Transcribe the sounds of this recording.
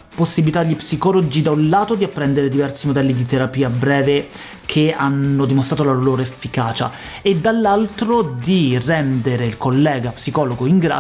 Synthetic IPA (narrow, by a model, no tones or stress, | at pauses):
posːibilit̪aʎːipsikɔlod͡ʒid̪aunlaːt̪od̪iapːɾɛnd̪eɾed̪ivɛrsimod̪ɛlːid̪it̪eɾapiːabɾɛːve | kʰeanːod̪imost̪ɾat̪olaloloːɾoefːikaːt͡ʃa̰ | ed̪ːalːalt̪ɾod̪irɛnd̪eɾeilkolːɛːɡapsikɔːloɡoiŋɡɾa̰ː